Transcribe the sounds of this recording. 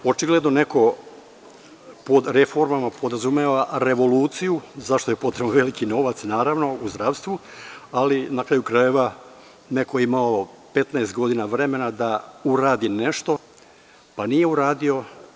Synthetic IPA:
o̞t͡ʃiɡle̞d̪no̞ne̞ko̞ | po̞d̪ɾefo̞ɾmamapo̞d̪ɾazumeʋaɾe̞ʋo̞luːt̪sijuzaʃt̪o̞jepo̞t̪ɾebnʋe̞likino̞ʋat̪snaːɾaʋno̞uzd̪ɾaːʋst̪ʋualinakɾaːjukɾaje̞ʋa | ne̞kojimaope̞t̪naest̪ɡo̞d̪inaʋɾe̞me̞nad̪auɾaːd̪ine̞ʃt̪o̞ | panije̞uɾaːd̪io̞

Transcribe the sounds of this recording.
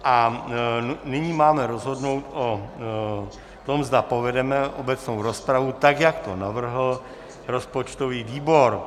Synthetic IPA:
ʔa | nɪɲimaːmɛɾozɦo̞dno̞wt̪ʔo | t̪o̞mzd̪apovɛdɛmɛʔo̰bɛt͡snowɾospɾavut̪aɡjakt̪onavr̩ɦl̩ | ɾo̞spot͡ʃt̪oviːviːboɾ

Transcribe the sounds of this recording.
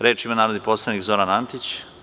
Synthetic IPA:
ɾe̞ːt͡ʃimanaːɾod̪iposlˠanikzo̞ɾanant̪it͡ɕ

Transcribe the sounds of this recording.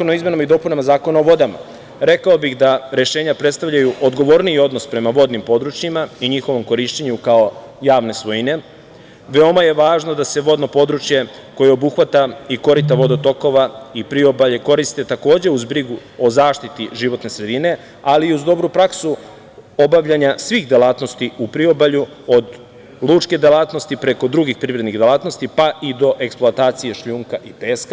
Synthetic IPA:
konaizmenamaid̪o̞punamazaːko̞naoʋo̞d̪ama̰ | ɾe̞kao̞bixd̪aɾe̞ʃe̞ːɲapɾet̪st̪aʋʎajuʔo̞d̪ɡo̞ʋo̞ɾniio̞d̪no̞spɾe̞maʋo̞d̪nimpo̞d̪ɾut͡ʃjimaiɲixo̞ʋo̞mko̞ɾiʃt͡ɕeɲukao | jaːʋne̞sʋojine | ʋe̞o̞maje̞ʋaːʒno̞d̪ase̞ʋo̞d̪no̞po̞d̪ɾut͡ʃje̞ | ko̞je̞obuxʋat̪aiko̞ɾit̪aʋo̞d̪ot̪o̞ko̞ʋaipɾio̞baʎe̞ko̞ɾist̪e̞t̪ako̞ːd͡ʑe̞uzbɾiɡuo̞zaːʃt̪it̪iʒiʋo̞t̪ne̞sɾe̞d̪ine̞ | aliuzd̪o̞bɾupɾaksu | o̞baʋʎaɲasʋiːɣd̪elaːt̪no̞st̪iupɾio̞baʎu | o̞d̪ | lˠuːt͡ʃke̞d̪elaːt̪no̞st̪ipɾe̞ko̞d̪ɾuɡixpɾiʋɾed̪niɣd̪elˠaːt̪no̞st̪ipaʔid̪o̞ʔeksploat̪aːt̪sije̞ʃʎuːŋkaʔipeːska

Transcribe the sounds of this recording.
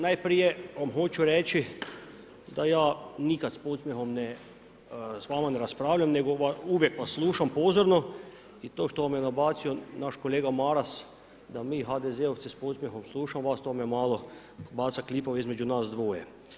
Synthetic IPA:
najpɾijeʋamɦo̞t͡ʃuɾet͡ʃi | d̪ajaːnikat̪spot̪smʲjexo̞mne | sʋaːmaneɾaspɾaːʋʎamne̞ɡoʋauʋjekʋasːlˠuːʃampoːzoɾno | it̪oːʃt̪oʋamjenabaːt̪sionaʃkoleːɡamaɾas | d̪amiːɦad̪ezeot̪ispot̪smʲjeɦxomslˠuːʃamʋast̪omejemaːlo | baːt̪saklipoʋeizmed͡ʑunaːsd̪ʋoːjḛ

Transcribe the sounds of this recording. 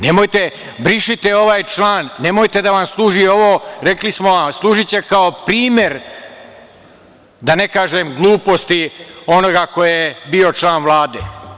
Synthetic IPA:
nemojt̪e | bɾiʃit̪eo̞ʋaːjt͡ʃlˠaːnːe̞mojt̪e̞d̪aʋamslˠuːʒio̞ʋoɾe̞klismoaslˠuːʒit͡ɕe̞kaopɾiːme̞ɾ | d̪ane̞kaːʒemɡlˠuːpo̞st̪io̞no̞ɡako̞jjebio̞t͡ʃlˠaːnʋlaːd̪eː

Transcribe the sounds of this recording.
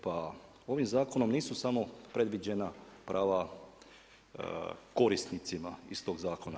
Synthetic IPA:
pa | o̞ʋimzaːko̞no̞mniːsusamo̞pɾe̞d̪ʋid͡ʑenapɾʔaːʋa | ko̞ɾist̪nit̪simaist̪o̞ːɡzaːko̞na

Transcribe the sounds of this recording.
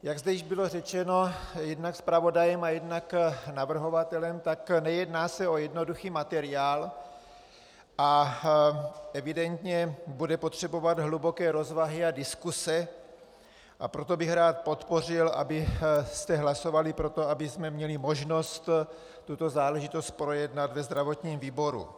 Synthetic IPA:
jaɡzdɛjɪʒbɪlo̞rɛt͡ʃɛno̞jɛdnakspɾavo̞dajɛmajɛdnaknavr̩ɦo̞vat̪ɛlɛmt̪aknɛjɛdnaːsɛo̞jɛdno̞duxiːmat̪ɛɾɪaːl | ʔa | ʔɛvɪdɛnt̪ɲɛbudɛpo̞t̪r̝̥ɛbo̞vad̪ɦlubo̞kɛːɾo̞zvaɦɪadɪskusɛ | ʔapɾo̞t̪o̞bɪxɾaːt̪̚po̞t̪po̞r̝ɪlʔa̰bɪst̪ɛɦlaso̞valɪpɾo̞t̪o̞abɪsmɛmɲɛlɪmo̞ʒno̞st̪ | t̪ːut̪o̞zaːlɛʒɪt̪o̞st̪̚pɾo̞jɛdnat̪vɛzd̪ɾavo̞t̪ɲiːmviːbo̞ɾṵ

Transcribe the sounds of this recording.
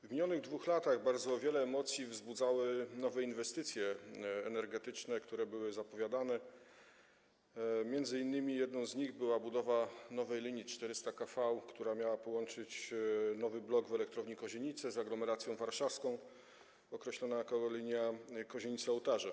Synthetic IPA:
vmʲiɲɔnɘɣd̪vuxlat̪aɣbaɾd̪zɔvʲjɛlɛːmɔt̪sʲjivzbud̪zawɘnɔvɛinvɛst̪ɘt̪sʲjɛːnɛɾɡɛt̪ɘt͡ʂnɛkt̪uɾɛbɘwɘzapɔvʲjad̪anɛ | mʲjɛnd̪zɘinːɘmʲijɛd̪nɔ̃w̃zɲiɣbɘwabud̪ɔvanɔvɛjlʲiɲjit͡ʂt̪ɛɾɘst̪akafawkt̪uɾamʲjawapɔwɔnt͡ʂɘt͡ɕnɔvɘblɔɡvɛlɛk̚t̪ɾɔvɲikɔʑeɲit̪sɛzaɡlɔmɛɾat̪sʲjɔ̃w̃vaɾʂafskɔ̃w̃ | ɔkɾɛɕlɔnakɔɔlʲiɲjakɔʑeɲit̪sɛɔwt̪aʐɛ

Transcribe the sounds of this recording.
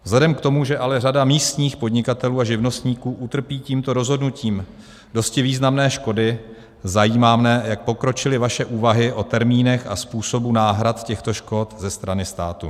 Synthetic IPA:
vzlɛdɛmkt̪o̞muʒɛʔalɛradamiːst̪ɲiːxpo̞dɲɪkat̪ɛluːaʒɪvno̞st̪ɲiːkuːʔut̪r̩piːciːmt̪o̞ɾo̞zɦo̞dnuciːm | do̞scɪviːznamnɛːʃko̞dɪ | zajiːmaːmnɛjak̚po̞kɾo̞t͡ʃɪlɪvaʃɛʔuːvaɦɪʔo̞t̪ɛɾmiːnɛxaspuːso̞bunaːɦɾat̪cɛxt̪o̞ʃko̞t̪zɛst̪ɾanɪst̪aːt̪ṵ

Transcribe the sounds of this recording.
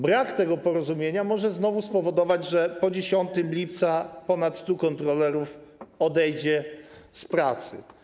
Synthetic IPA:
bɾakt̪ɛɡɔpɔɾɔzumʲjeɲamɔʐɛznɔvuspɔvɔd̪ɔvad͡ʑʐɛpɔd͡ʑeɕɔnt̪ɘmlʲipt̪sapɔnat̪st̪ukɔnt̪ɾɔlɛɾufɔd̪ɛjd͡ʑɛspɾat̪sɘ̰

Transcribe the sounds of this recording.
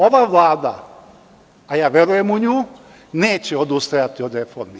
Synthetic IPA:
o̞ʋaːʋlˠaːd̪a̰ | jaːʋjeɾujemuɲuː | neːt͡ɕeo̞d̪ust̪ajat̪io̞d̪ɾefo̰ɾmi

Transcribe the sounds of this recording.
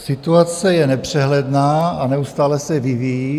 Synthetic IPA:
sɪt̪uat͡sɛjɛnɛpr̝̥ɛɦlɛdnaːanɛust̪aːlɛsɛvivij

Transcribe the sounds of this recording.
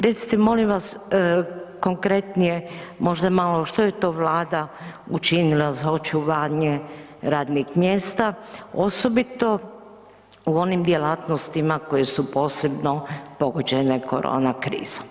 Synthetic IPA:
ɾet̪si̥t̪emo̞limʋas | ko̞ŋkɾe̞t̪nijemo̞ʒd̪amaloʃt̪oje̞t̪o̞ːʋlaːd̪aut͡ʃinilazaot͡ʃuʋaːɲe | ɾaːd̪nixmjeːst̪aoso̞bit̪o̞ | uo̞nimd̪jelaːt̪nost̪imako̞je̞supo̞ːse̞bno̞po̞ɡod͡ʑene̞kʰo̞̰ɾo̰ːnakɾḭːz̥o̥m

